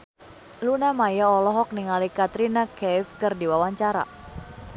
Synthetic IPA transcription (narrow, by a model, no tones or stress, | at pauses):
lunamajaɔlɔɦɔk̚niŋalikat̪ɾinakɛfkɨrdiwawaɲt͡ʃaɾa̰